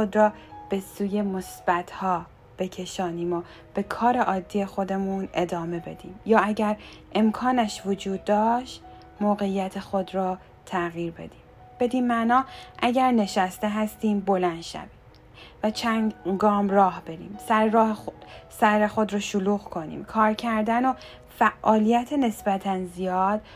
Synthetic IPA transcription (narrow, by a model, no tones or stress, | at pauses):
od̪ɾɒːb̥e̞suːje̞mosb̥æt̪ʰhɒː | b̥e̞cʰe̞ʃɒːniːmo | b̥e̞kʰɒːɾeʔɒːd̪ːijexo̞d̪e̞mune̞d̪ɒːme̞be̞d̪̥iːmjɒːæɟæɾe̞mkʰɒːnæʃvod͡ʒuːd̪̚ːɒːʃt̪ | moːɣe̞ijæt̪ʰexo̞d̪ɾɒː | t̪ʰæɣjiːɾbe̞̰d̪̥iːm | b̥e̞d̪iːnmæʔnɒːʔæɟæɾne̞ʃæst̪e̞ɦæst̪iːmbo̞lænd̪̥ʃæ̰viː | væt͡ʃʰænɡɒːmrɒːhbe̞ɾḭːmsæɾ | sæɾexod̪ɾɔːʃuluːɣkʰo̞nḭːmkʰɒːɾcʰæɾd̪æno̞ | fæʔɒːlijæt̪ʰene̞sbæt̪ʰænzijɒːd̪̥